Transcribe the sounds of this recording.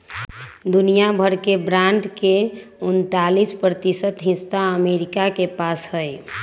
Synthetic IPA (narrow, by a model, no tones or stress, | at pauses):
d̪unijabʱəɾkebɾãɳɖke | unt̪alispɾət̪isət̪ɦɪ̃st̪aəmeɾikakepasɦəe